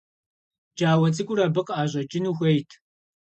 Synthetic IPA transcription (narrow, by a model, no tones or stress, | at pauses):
d͡ʒaːwɐt͡sɨɡʷʊɾabɨqaːʑʷʼɐd͡ʒɪnuːxʷɐjtʰ